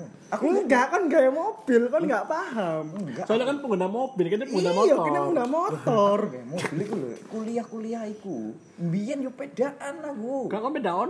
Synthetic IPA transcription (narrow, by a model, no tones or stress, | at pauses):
akudakɔnɡajamob̥ɪlkɔnŋɡaʔpaɦamŋasalakanpəŋɡənamob̥ɪlkandpəŋɡənamɔjaɔanaəŋɡənamot̪ɔrlkṵkuliahkuliahiku | mbijanjɔpedaʔanaɡuɡakɔnpedaɔn